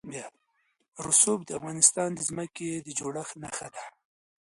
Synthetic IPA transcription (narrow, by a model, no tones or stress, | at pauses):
bjɑ | ɾʊsobd̪əafɣɑnɪst̪ɑnd̪əzməked̪əd͡ʒoɽəxnaxad̪a